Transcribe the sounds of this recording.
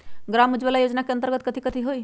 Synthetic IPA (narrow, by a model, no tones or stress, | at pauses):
ɡɾamud͡ʒbəlajod͡ʒnakeənt̪əɾɡət̪̚kət̪ʰikət̪ʰiɦoj